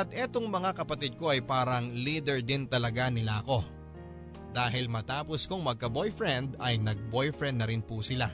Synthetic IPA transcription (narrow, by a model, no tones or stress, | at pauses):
ʔɐt̪̚ʔɛːt̪o̞ŋmɐŋakɐpɐt̪ɪd̪̚ko̞ɐjpaːɾɐŋliːd̪ɛɹd̪ɪnt̪ɐlɐɡanɪlaʔɐko̞ | d̪aːɦɪlmɐt̪aːpo̞skoŋmɐɡ̚kɐbo̞jfɹɛnd̪ɐjnɐɡ̚bojfɹɛnd̪nɐɾɪnpusɪla